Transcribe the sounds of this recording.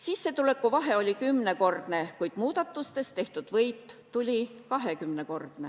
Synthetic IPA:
sisːe̞t̪ule̞kːˑuvɑɦe̞o̞lʲikymːne̞ko̞rd̪̥ne̞kujd̪̥muːd̪̥ɑt̪ːˑust̪e̞st̪e̞ht̪ud̪̥vɤjt̪ːulʲikɑɦe̞kymne̞ko̞rd̪̥ne̞

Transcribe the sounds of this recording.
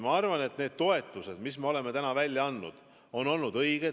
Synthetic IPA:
mɑɑrvɑne̞t̪ne̞ːd̪̥̚t̪o̞e̞t̪ːˑuse̞d̪̥misme̞o̞leme̞t̪ænɑvælʲːjɑɑnːṵd̪̥ | o̞no̞lnud̪̥ɤjɡ̥e

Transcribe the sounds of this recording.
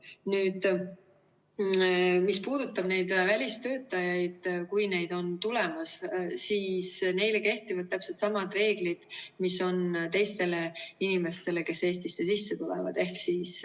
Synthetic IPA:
nyːd̪̥ | mispuːd̪ut̪ːˑɑb̥ne̞jd̪̥vælʲist̪ø̞ːt̪ːˑɑjɑjd̪̥kujne̞jd̪̥o̞nt̪ule̞mɑssiːsne̞jleke̞ht̪ivɑd̪̚t̪æpset̪sɑmɑd̪re̞ːɡ̥lid̪̥miso̞nt̪e̞jst̪e̞le̞inime̞st̪e̞le̞ke̞se̞ːst̪isːesisːe̞t̪ulḛvɑ̰d̪e̞hksiːs

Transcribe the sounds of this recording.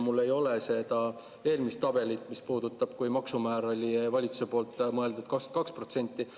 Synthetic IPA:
mulːe̞jo̞lese̞d̪̥ɑ | e̞ːlmist̪ːɑb̥e̞lit̪ːˑmispuːd̪̥ut̪ːˑɑb̥kujmɑksumæːɾo̞lʲivɑlʲit̪su̥se̞po̞ːlt̪ːˑmɤe̞ld̪ud̪̥kɑskɑkspro̞t̪se̞nʲt̪ːˑi

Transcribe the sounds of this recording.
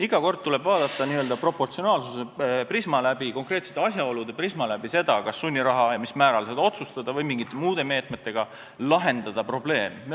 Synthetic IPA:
iɡ̥ɑko̞rd̪̥̚t̪ule̞bvɑːd̪̥ɑt̪ˑːɑniøld̪ɑpro̞pːo̞rt̪sio̞nɑːlsuseprismɑlæbiko̞ŋkre̞ːt̪se̥t̪ːˑeɑs̬ʲjɑo̞lud̪̥e̞prismɑlæbise̞d̪̥ɑkɑsːunʲːiɾɑɦɑjɑmismæːɾɑlsed̪ɑo̞t̪sust̪ɑd̪̥ɑvɤjmiŋɡ̥it̪ːˑe̞muːd̪̥e̞me̞ːt̪ˑme̞t̪ːˑe̞ɡ̥ɑ | lɑɦe̞nd̪̥ɑd̪̥ɑpro̞ble̞ːme

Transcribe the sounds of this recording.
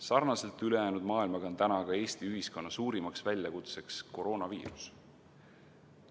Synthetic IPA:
sɑrnɑse̞lt̪ˑyle̞jæːnud̪mɑːilmɑɡɑont̪ænɑɡ̥ɑe̞ːst̪iyɦisko̞nːɑsuːɾimɑksvælʲjɑkut̪se̞ksko̞ɾo̞ːnɑvḭːɾus

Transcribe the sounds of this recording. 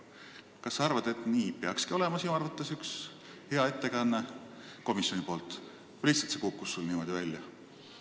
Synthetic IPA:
kɑsːɑɑrvɑd̪̥e̞t̪ˑniːpeɑkskio̞le̞mɑsinuɑrvɑt̪ːˑe̞syks | he̞ɑe̞t̪ːe̞kɑnːe | ko̞misjo̞nipo̞ːlt̪ˑ | liçhtsɑlt̪sekukːˑusːulniːmo̞d̪ivælʲːjɑ

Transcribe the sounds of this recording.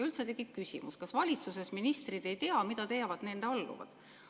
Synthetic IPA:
ylt̪set̪e̞ɡ̥it̪̚kysḭmuskɑsvɑlʲit̪susesminist̪rid̪e̞jt̪eɑmid̪ɑt̪e̞jɑvɑd̪̥ne̞nd̪̥eɑlːṵvɑ̰d̪̥

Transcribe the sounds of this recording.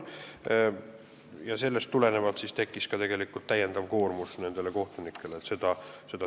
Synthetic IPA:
jɑse̞lːe̞st̪ːule̞ne̞vɑlt̪sist̪e̞kˑːiskɑt̪e̞ɡ̥e̞likːˑult̪ːˑæjːend̪ɑvko̞ːrmusne̞nd̪eleko̞ht̪onikʰːˑe̞leːt̪se̞d̪̥ɑse̞d̪ɑ

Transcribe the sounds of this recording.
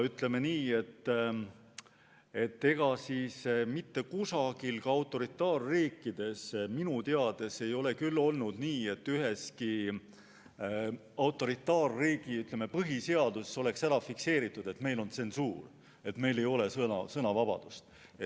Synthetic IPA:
yt̪le̞me̞niːe̞t̪ː | e̞t̪ːe̞ɡ̥ɑsiːsmit̪ːe̞kusɑɡ̥ilkɑɑwt̪ːˑo̞ɾit̪ːˑɑːrːiːkːˑid̪̥e̞sminut̪eɑd̪̥e̞se̞jo̞le̞kylːo̞lnud̪̥niːe̞t̪ːyɦe̞ski | ɑwt̪ːˑo̞ɾit̪ːˑɑːrːiːɡ̥iyt̪ˑle̞me̞pɤɦise̞ɑd̪̥uso̞le̞ksæɾɑfikse̞ːɾit̪ˑːud̪̥e̞t̪me̞jlo̞nt̪se̞nsuːr | e̞t̪me̞jle̞jo̞le̞sɤnɑ̰sɤnɑvɑb̥ɑ̰d̪̥ust̪ | e

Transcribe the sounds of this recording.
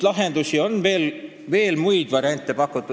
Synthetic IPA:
lɑɦend̪̥usio̞nːve̞ːl | ve̞ːlmujd̪̥vɑɾjɑnʲt̪ːˑe̞pɑkːˑut̪ːˑu

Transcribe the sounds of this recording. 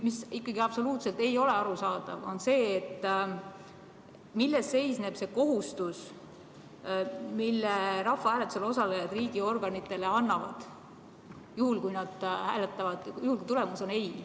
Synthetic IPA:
misikːɑɡiɑb̥so̞luːt̪se̞lt̪e̞jo̞le̞ɑɾusɑːd̪̥ɑ̰vo̞̰nse̞ːt̪ː | milːest̪ːe̞jsne̞b̥se̞ko̞ɦust̪us | milːeɾɑfːɑhæːle̞t̪uselo̞sɑlejɑd̪riːɡ̥io̞rɡ̥ɑnit̪ˑːe̞le̞ɑnːɑvɑ̰d̪̥ | juhulkujnɑd̪̥hæ̰ːlet̪ːˑɑvɑd̪̥juhulkujt̪ulemuso̞ne̞j

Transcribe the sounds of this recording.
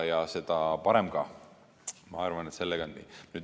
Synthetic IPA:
jɑse̞d̪̥ɑpɑɾemɡ̥ɑ | mɑɑrvɑnet̪se̞lːeɡ̥ɑnnḭnyːd̪

